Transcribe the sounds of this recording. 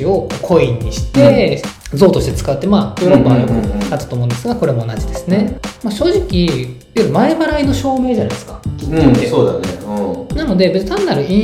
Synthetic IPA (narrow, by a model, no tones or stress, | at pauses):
io̞koːkʰo̞ĩɲ̟ːiɕi̥t̪e̞ | zo̞ːt̪oɕit̪et͡sɨ̥kaɯt̪ːe̞maːjoːɾo̞pːaomoat̪ːat̪oːmõːnd̪eɨɡako̞ɾe̞mo̞ːnad͡ʑid̪e̞sɨne̞maɕo̞ːʑikʲi | jɯ̟ɾɯmae̞baɾaino̞ɕo̞ːme̞ːd͡ʑanajd̪esɨ̥kḁioesoːd̪a̰nenano̞d̪e̞be̞t͡sɨ̥t̪ʰanːaɾɯ̟ĩ